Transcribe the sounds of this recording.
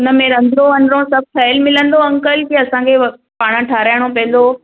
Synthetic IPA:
ʊnə̆mẽɾɐ̃nd̪ʱɾoʋɐnɾõsɐb̚ʱkʰɐjlmɪlə̃nd̪oɐ̃ŋkəlkiɐsãkʰe | paːɽ̃ə̃ʈʰaːɾaːɪɽ̃opɐ̃ɦɪ̃n̆d̪o

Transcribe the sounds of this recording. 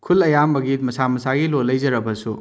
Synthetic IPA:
kʰulɐjambɐɡit̚mɐsamɐsaɡilolːɐjzɐɾɐbɐsu

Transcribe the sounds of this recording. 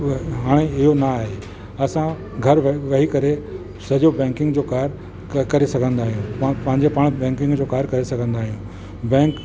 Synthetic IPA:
ɦaːɽ̃eɪɦonaaːɦe | ɐsã | ɡʱɐɾʋɐɦikɐɾe | sɐd͡ʑobɛ̃ːŋkɪ̃ŋɡd͡ʑoːkaːɾ | kɐɾesɐɡʱə̃nd̪aːɦijũpɐ̃ɦɪ̃ɲd͡ʑepaɽ̃bɛ̃ːŋkɪ̃ŋɡd͡ʑoːkaːɾkɐɾesɐɡʱə̃nd̪aːɦijũ | bɛ̃ːŋk

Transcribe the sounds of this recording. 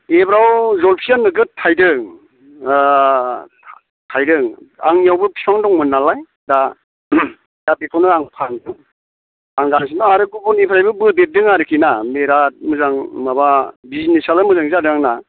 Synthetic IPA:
ebɾawzɔlpʰijanːɯɡɯtʰajdɯŋ | tʰajdɯŋa̰ŋijawbɯpʰipʰaŋdɔŋmɯnːalaj | da | jat̚ekʰawnɯaŋpʰandɯŋ | aŋɡansinɔaɾɯɡubɔnipʰɾajbɯbɯbet̚dɯŋaɾɯkʰinameɾat̚mɯzaŋmababizinesalɯmɯzaŋziadɯaŋna

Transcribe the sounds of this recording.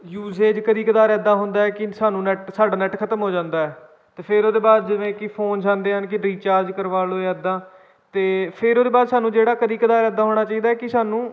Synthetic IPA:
juːzeːd͡ʒkəd̪iːkəd̪aːɾɛːd̪aːɦʊnd̪aːɛːkɪsaːnũːnɛʈsaːɖaːnɛːʈkʰət̪əmɦoːd͡ʒãːnd̪aːɛː | t̪eːpʰɪɾoːd̪eːbaːd̪d͡ʒɪʋẽːkɪpʰoːnd͡ʒãːnd̪eːɦənkɪɾiːt͡ʃaːɾd͡ʒkəɾʋaːloːeɛːd̪ãː | t̪eːpʰɪɾoːd̪eːbaːd̪saːnũːd͡ʒeːɽaːkəd̪iːkəd̪aːɾɛːd̪aːɦoːɽ̃aːt͡ʃaːiːd̪aːɛːkɪsaːnũː

